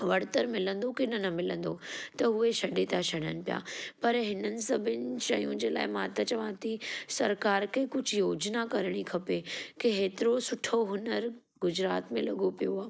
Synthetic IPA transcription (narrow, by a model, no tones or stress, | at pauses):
ʋɐɽt̪əɾmɪlə̃nd̪okɪnɐnɐmɪlə̃nd̪ot̪ɐɦʊeʃɐɖet̪aʃɐɽənɪ̆pija̰ːpɐɾɦɪnənɪ̆sɐbʱɪnɪ̆ʃɐjũd͡ʑeːla̰ːɪmãt̪ɐt͡ɕɐʋãt̪isɐɾkaːɾkʰekʊd͡ʑʱʊjoːd͡ʑnakɐɾɽ̃ikʰɐpekeɦeːt̪ɪɾosʊʈʰoɦʊnəɾ | ɡʊd͡ʑɾa̰ːt̪mẽlɐɡopijoaː